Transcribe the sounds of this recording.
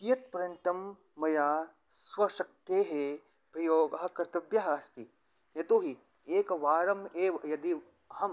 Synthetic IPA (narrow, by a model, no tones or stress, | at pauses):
kijɐt̪pɐɾjɐnt̪ɐmː | ɐjaː | sʋɐʃɐk̚t̪eɦe | pɾɐjoːɡɐɦɐ̆kɐɾt̪ɐbjɐɦɐaːst̪i | jɐt̪oːɦi | eːkʋaːɾɐmeːʋɐjɐd̪i | hɐm